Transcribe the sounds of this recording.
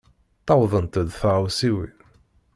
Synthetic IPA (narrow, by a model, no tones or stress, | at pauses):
t̪ːɑwðˤənt̪ðfʁwsiwi